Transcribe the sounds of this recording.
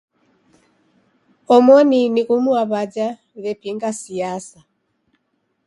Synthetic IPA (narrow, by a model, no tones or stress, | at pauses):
ɔmɔninikumuaβad͡ʒa | βɛpiŋɡasiasa